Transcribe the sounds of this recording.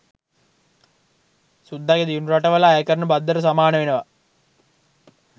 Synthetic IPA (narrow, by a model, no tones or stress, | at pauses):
sud̪ʱːaɡed̪ijunuɾaʈəʋəlaːjkəɾənəbad̪ːəɾəs̬amaːnəʋenəʋa